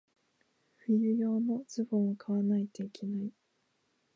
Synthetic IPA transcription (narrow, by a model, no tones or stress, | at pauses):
ɸɯ̟jɯ̟jo̞ːno̞z̥ɨbõɰ̃okʰaβanait̪eikʰe̞nai